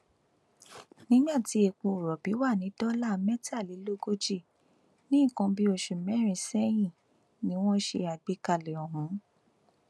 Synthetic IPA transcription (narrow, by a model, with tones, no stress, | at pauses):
nĩ˦ɡ͡ba˦˨ti˨˦e˧˨k͡pũ˧u˨ɾɔ˨bi˨˦wa˦˨nĩ˨˦dɔ˦la˦˨mɛ˦ta˦˨li˨˦lo˦ɡo˦d͡ʒi˦˨ | nĩ˦˨kã˧bi˦o˧˨ʃu˨mɛ̃˦ɾ̃ĩ˧˨sɛ˦j̃ĩ˦˨ | nĩ˨˦w̃ɔ̃˦ʃe˧a˨ɡ͡be˨˧˦ka˧˨lɛ˨ɔ˨ɦũ˨˦